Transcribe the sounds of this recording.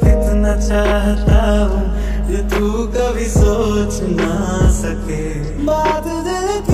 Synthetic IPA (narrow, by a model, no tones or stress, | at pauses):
kɪt̪nat͡ʃaːɦt̪aɦũ | jet̪u | kabʱisoːt͡ʃ | nasɐke | baːd̪d̪e